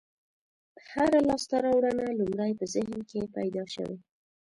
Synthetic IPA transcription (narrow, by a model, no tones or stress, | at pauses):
haɾalɑst̪aɾɑwɽənalumɾajpəzɪɦnkepajd̪ɑʃə̰we